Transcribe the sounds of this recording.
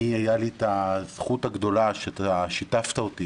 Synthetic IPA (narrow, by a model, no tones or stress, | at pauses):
iajalit̪az̥χut̪haɡd̪o̞laʃet̪aʃitaft̪aot̪i